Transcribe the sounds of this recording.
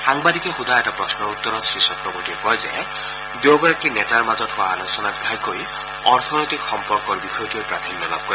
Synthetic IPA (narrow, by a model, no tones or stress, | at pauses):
xaŋbad̪ikexud̪aeʈapɾɔsnɔut̪ːɔɾɔsɾisɔt̪ɾɔboʈiɾpɔjza | d̪joɡɔɾakinetaɾmad͡ʒɔtɦuaːlusɔnat̪ɡʱajkoj | ɔɾt̪ʰɔnɔjt̪ikxɔmpɔɾkɔɾbixɔjɔtuojpɾat̪ʰinjɔla̰b̚kɔɾi